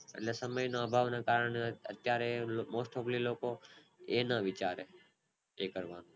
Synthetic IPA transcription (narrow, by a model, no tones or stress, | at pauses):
ḛʈlesəməjnoabʱaʋnakaɾəɳeə̰t̪jaɾemosʈʰokliloko | enəʋit͡ʃaɾe | ekəɾʋano